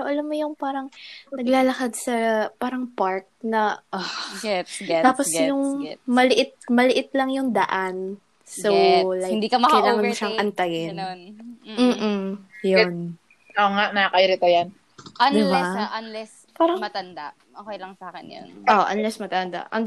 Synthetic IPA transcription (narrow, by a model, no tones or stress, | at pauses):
oʔɐlamːojʊŋpaːɾɐŋnɐɡlaːlɐkɐd̪̚sɐpaːɾɐŋpaɹk̚nɐʔoɡɛɡt̪aːposjʊŋmɐlɪʔɪt̪̚mɐlɪʔɪt̪lɐŋjʊŋd̪ɐʔan | sowlajɪnd̪iːkɐmɐkːɐjlaːŋɐnʃɐŋʔɐnt̪ɐjɪnnm̩ːʔ̩jon | oŋaʔnakɐʔɪɾɪt̪ojan | ɐnd̪ɪbɛaʔɐnlɛs | paːɾɐŋmɐt̪ɐnd̪a | ʔokɐjlɐŋsaːkɪnjo̰nʔoʔɐnlɛsmɐt̪ɐnd̪a̰ʔɐn